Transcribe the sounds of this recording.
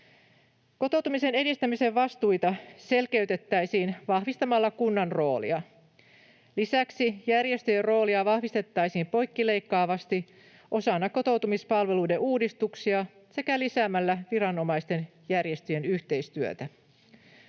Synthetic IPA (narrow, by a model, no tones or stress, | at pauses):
ko̞t̪o̞wt̪umise̞ne̞dist̪æmise̞ʋʋɑst̪ujt̪ɑse̞lke̞yt̪e̞t̪ːæjsiːnʋɑhʋist̪ɑmɑlːɑkunːɑnro̞ːlḭɑ | lisæksijærje̞st̪yjerro̞ːliɑʋɑhʋist̪e̞t̪ːɑjsiːmpo̞jkːile̞jkːɑːʋɑst̪i | ʔo̞sɑnːɑkko̞t̪o̞wt̪umispɑlʋe̞lujde̞ʔuːdist̪uksiɑ | se̞kælisæmælːæʋiɾɑno̞mɑjst̪e̞n | jærje̞st̪yje̞nyçt̪e̞jst̪yø̰t̪æ